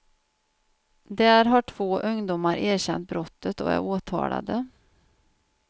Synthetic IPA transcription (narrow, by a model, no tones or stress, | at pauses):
d̪ɛæɾɦaʈʰv̥oːʔɵŋd̪ʊmaɾʔeːɾɕɛnt̪̚bɾɔt̪ʰːət̪ɔæ̰ɾoːt̪ʰɑ̰ːla̰d̪ə